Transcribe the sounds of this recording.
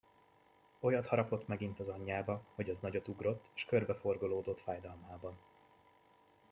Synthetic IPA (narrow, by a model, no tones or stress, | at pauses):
o̞jɒt̪hɒɾɒpo̞t̪mɛɡint̪ɒzɒɲːaːbɒho̞ɟɒznɒɟo̞t̪uɡro̞t̪ːeːʃkø̞rbɛfo̞rɡoloːd̪o̞t̪faːjd̪ɒlmaːbɒn